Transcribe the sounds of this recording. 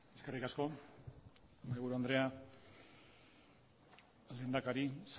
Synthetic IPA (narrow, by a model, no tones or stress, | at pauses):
eskerikasko̞ | mɣuɾuand̪ɾe̞a | leːnd̪akaɾis